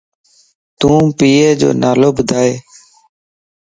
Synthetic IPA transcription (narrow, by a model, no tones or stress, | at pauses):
t̪ũːpiːeːd͡ʒo̰ːnaːloːbʊd̪ʱaːeː